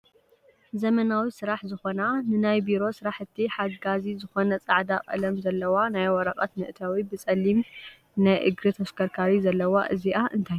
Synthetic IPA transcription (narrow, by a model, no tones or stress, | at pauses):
zɐmɐnawisɨɾaħzɨxo̞nanɨnajbiɾo̞sɨɾaħɨt̪ʰːiħaɡazizɨxo̞nɐt͡sʼaʕd̪aqʼɐ̰lɐmzɐlːɐwanajwɔɾɐχʼɐt̪mɨʔɨt̪ʰawibɨt͡sʼɐlːim | najʔɨɡɾit̪ʰɐskʰɐɾkʰaɾizɐlːɐwaʔɨziʔaʔɨ̰nt̪ʰajːu